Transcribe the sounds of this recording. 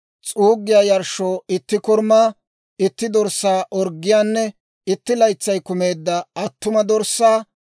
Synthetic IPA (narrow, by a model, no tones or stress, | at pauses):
t͡sʼuːɡːɪjaːjɐɾʃoːɪt̪ːɪkɔɾmaː | ɪt̪ːɪd̪ɔɾsːaːʔɔɾɡːɪjaːnːɛ | ɪt̪ːɪlɐjt͡sːɐjkʊme̞ːd̪ːɐɐt̪ːʊmɐd̪ɔɾsːaː